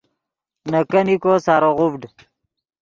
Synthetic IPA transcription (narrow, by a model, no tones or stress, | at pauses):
nɐkɐnikoːsaːɾoʁubɖ